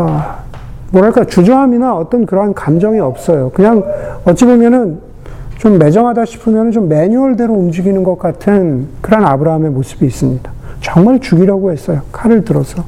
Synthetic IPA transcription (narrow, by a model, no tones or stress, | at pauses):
a | mwʌɾɦaɭk͈aot͡ɕud͡ʑʌŋɦaminaʌt͈ʌnkɯɾʌɦankamd͡ʑʌŋiʌp̚s͈ʌjokɯɲaŋʌt͡ɕ͈ebomjʌnɯn | t͡ɕomːe̞d͡ʑʌŋɦadaɕʰi̥pʰɯmjʌnɯnt͡ɕomːe̞ɲuʌɭde̞ɾoumd͡ʑiɡinɯnɡʌk͈̚atʰɯnkɯɾɦanabɯɾaɦame̞mos͈ʰɯ̥biːs͈ɯmɲid̥ḁt͡ɕʌŋmaɭt͡ɕuɡiɾaɡohe̞s͈ʌjokʰaɾɯɭtɯɾʌsʰʌ